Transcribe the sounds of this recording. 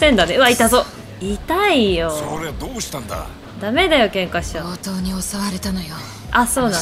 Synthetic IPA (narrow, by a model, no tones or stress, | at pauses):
sẽnd̪aneɯ̟βait̪azo | it̪aijo̞oɾead̪oːɕi̥t̪ãnd̪a̰ | d̪ame̞d̪ajo̞kẽ̞ŋkaɕi̥t̪aːt̪o̞ːɲ̟iosaβaɾe̞t̪anojo | aso̞ːnã